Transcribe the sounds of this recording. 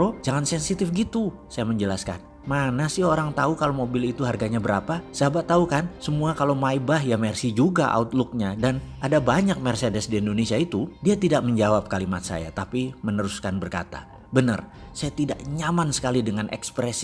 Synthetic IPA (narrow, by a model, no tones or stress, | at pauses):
ɾod͡ʒaŋansɛnsit̪ɪfɡit̪u | sajaməɲd͡ʒəlaska̰n | manasɪɦoɾaŋt̪aukalomobɪlit̪uɦarɡaɲabəɾapasabat̪ːaukansəmuakalomaibaɦjamɛrsid͡ʒuɡaʔa̰ʊt̪lʊk̚ɲadanadabaɲak̚mɛrsedɛsdiɛndonesiait̪udiat̪idak̚məɲd͡ʒawap̚kalimat̪̚sa̰ja̰t̪apimənəɾuskanbərka̰t̪a̰ | bənə̰rsajat̪idaʔɲamansə̥kalidəŋanʔɛ̰kspɾɛs